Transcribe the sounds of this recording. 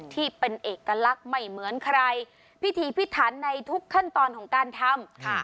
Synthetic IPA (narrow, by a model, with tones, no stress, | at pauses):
t̪ʰiː˥˩pe˧nʔeː˨˩kːa˧la˦˥k̚ma˥˩jmɯ˩˦ənkʰa˧ɾa˧j | pʰi˦˥t̪ʰiː˨˦pʰi˦˥t̪ʰːaː˩˦nːa˧jt̪ʰu˦˥kʰːa˥˩nt̪ɔː˧nkʰɔː˩˦ŋkaː˧nt̪ʰa˧mkʰ